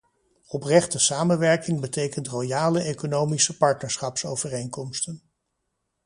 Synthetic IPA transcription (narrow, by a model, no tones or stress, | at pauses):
ɔprɛχtəsaːmənʋɛɹkɪŋbətejkəntrojaːləekonowmisəpɑɹtnəɹsχɑpsowvərejŋkɔmstən